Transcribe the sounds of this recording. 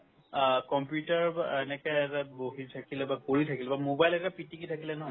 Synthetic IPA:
kɔmpjutaɹɛnɛkɛɛtaboɦitʰakilɛbakoɹitʰakilɛbamobajlɛtapitikitʰakilɛnɔɦɔj

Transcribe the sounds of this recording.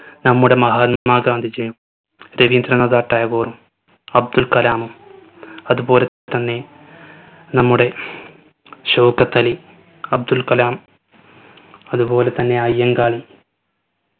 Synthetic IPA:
nɐmːuɽe̞mɐɦaːnmaːɡaːnd̪ʱid͡ʑɐjum | ɾeʋind̪ɾɐɳɐðaːʈːaːjɐɡoːrum | ɐb̚d̪ulkɐlaːmu | ɐðubo̞ːle̞ | t̪ɐnːe̞ | nɐmːuɽe̞ | ɕɐwkɐt̪ːɐli | ɐb̚d̪ulkɐlaːm | ɐðubo̞ːlet̪ɐnːe̞ɐjːɐŋɡaːɭi

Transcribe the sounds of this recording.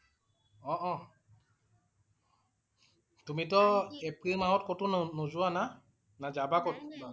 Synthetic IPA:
ɔʔɔ | tumitɔepɹimaɦɔt̚kotʊnnozʊana | nazabakot

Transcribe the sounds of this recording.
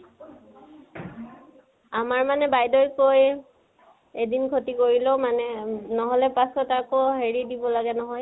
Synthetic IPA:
amaɹmanɛbajdɔjkoj | edinkʰotikoɹilomanɛnɔɦɔlɛpasɔtakoɦeɹidibɔlaɡɛnɔɦɔj

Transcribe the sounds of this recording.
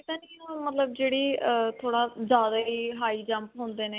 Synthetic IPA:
kɪt̪ãːnːkɪnõːmət̪ləb̚d͡ʒeːɽiːt̪ʰoːɽaːzjaːd̪aːɦiːɦaːiːd͡ʒəmpɦõːnd̪eːneː

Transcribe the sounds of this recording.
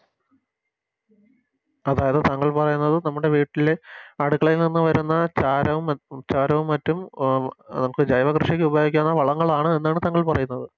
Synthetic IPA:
ɐðaːjɐðɨt̪aŋːɐɭpɐrɐjunːɐðɨnɐmːuɽe̞ʋiːʈːile̞ɐɽukːɐɭilninːɨʋɐɾunːɐt͡ɕaːɾɐʋumt͡ɕaːɾɐʋumːɐtːum | nɐmɐɭkːɨd͡ʑɐjʋɐkrɨʂɐkʲːɨubɐjoːɡikʲːaːnːɐʋɐɭɐŋːɐɭaːɳɨenːaːɳɨt̪aŋːɐɭpɐrɐjunːɐðɨ

